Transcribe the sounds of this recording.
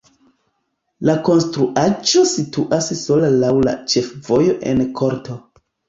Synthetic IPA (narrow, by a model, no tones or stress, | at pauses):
lako̞nstɾuʔad͡ʒo̞situʔasso̞lalawla̰t͡ʃe̞fvo̞jo̞ʔe̞̰nkʰo̞ɾtʰo̞